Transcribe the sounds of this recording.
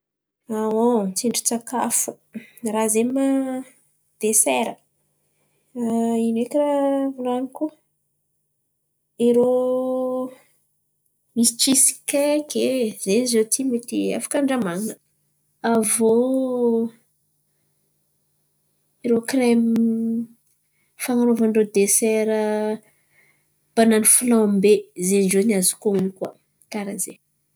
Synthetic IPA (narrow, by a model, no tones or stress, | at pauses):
awot͡siɳɖ͡ʐu̥t͡sakafu̥ | razema | d̪̥esɛɾə | inekiravulaniku | iɾo | misiʈ͡ʂisi̥kekʰezenizet̪ʰimet̪ia̰fḁkaɳɖ͡ʐamaŋə | avo | iɾokrɛm | faŋaɾovaɳɖ͡ʐod̪esɛɾə | b̥ananifulãmbezend͡ʒeniazu̥kounikwa̰ | kaɾaze